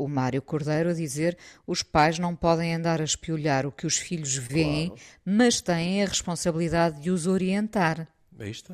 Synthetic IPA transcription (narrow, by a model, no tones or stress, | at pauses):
umaɾjukuɾðɐjɾuɐðizeɾuʃpajʒnɐ̃w̃pɔðɐ̃j̃ɐ̃nd̪aɾɐʃpiuʎaɾukɨuʃfiʎuʒvẽẽj̃mɐʃt̪ɐ̃j̃ẽj̃ɐʁɨʃpõsɐβlˠiðaðːɨuzoɾiẽnt̪aɾ | ɛ̰iʃt̪